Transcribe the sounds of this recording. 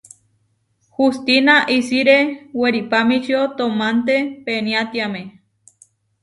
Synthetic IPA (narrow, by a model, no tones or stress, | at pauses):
hust̪inaʔisiɾeweɾipamit͡ʃiot̪omant̪epeniat̪jamẽ